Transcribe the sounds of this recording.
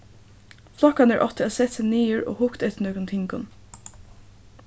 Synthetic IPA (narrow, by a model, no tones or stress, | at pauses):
flˠɔkanæɹʔɔt̪əɛsɛt̪sɪniːʊɹo̰ːhʊkt̪æɥt̪ɪnœɡʊnt̪ʰɪŋkʊ̰n